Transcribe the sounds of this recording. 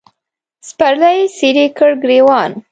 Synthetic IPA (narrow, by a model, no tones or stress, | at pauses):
spaɾlajsiɾikəɽɡɾewɑn